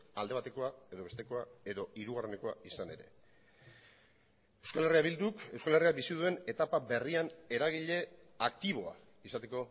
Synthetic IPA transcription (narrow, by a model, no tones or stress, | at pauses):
a̰ld̪eat̪e̞ko̞ae̞ðo̞e̞st̪e̞ko̞ae̞ðo̞iɾuɣare̞neko̞a̰isane̞ɾe̞̰ | ewskale̞riaβild̪uke̞wskale̞riabisiðue̞ne̞t̪apabe̞riane̞ɾaɣ̞iʎe̞ak̚t̪iβo̞a̰ | isat̪e̞ko̞